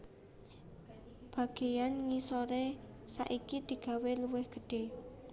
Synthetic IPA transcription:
b̥ä̤ɡ̥e̤janŋisoɾe | sa̰ʔikid̪̥i̤ɡ̥a̤weluwɪhɡ̥ə̤ɖ̥e̤

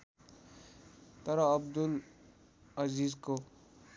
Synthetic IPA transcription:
t̪ʌɾʌːbd̪ul | ʌzizko

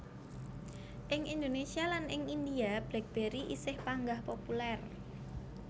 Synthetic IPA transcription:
ʔɪŋind̪onesialanɪŋind̪iab̥lɛk̚b̥e̤ɾiʔḭsɪhpaŋɡahpopulɛr

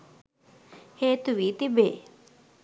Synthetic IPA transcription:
het̪uʋit̪ibe

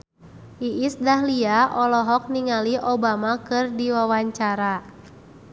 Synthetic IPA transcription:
ʔiʔisdahliaʔɔlɔɦɔk̚niŋaliʔɔbamakɨrdiwawaɲt͡ʃaɾa

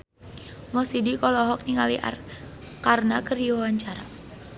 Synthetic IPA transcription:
mɔsidikɔlɔɦɔk̚niŋaliʔa̰rkarnakərdiwawaɲt͡ʃaɾa

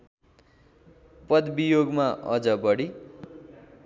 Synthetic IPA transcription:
pʌd̪bijoɡmaʔʌ̰d͡zʌbʌɽi

